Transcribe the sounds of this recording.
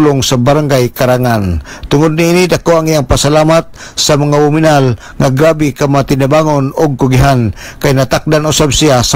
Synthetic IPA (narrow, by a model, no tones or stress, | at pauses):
lʊŋsabaɾaŋɡajkaɾaŋant̪ʊŋʊd̪̚niinidakoaŋijaŋpasalamat̪̚ | samaŋaʊminal | ŋaɡɾabikamaat̪ɪnabaŋonʊɡ̚kʊɡiɦan | kajnat̪ak̚danʊsabsias